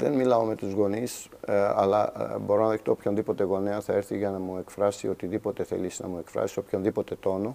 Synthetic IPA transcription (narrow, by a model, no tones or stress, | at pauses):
ðḛnmilɐo̞me̞t̪uzɣo̞nis | ɐ̰lɐ̰bo̞ɾo̞nɐðext̪o̞ːpçonðipo̞t̪e̞ɣo̞neɐθɐɾθiʝɐnɐmue̞kfɾɐsio̞t̪iðipo̞t̪e̞θe̞̰lisnɐ̰mue̞kfɾɐ̰sio̞pço̞nðipo̞t̪e̞t̪o̞no̞